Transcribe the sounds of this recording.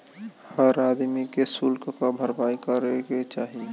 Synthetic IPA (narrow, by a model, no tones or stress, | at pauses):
həɾaːd̪mikesulkkabʱəɾbaːikəɾeɡet͡ʃaːɦie